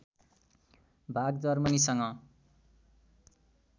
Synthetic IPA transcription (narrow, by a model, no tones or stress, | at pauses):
bʱaɡd͡zʌrmʌnisʌŋʌ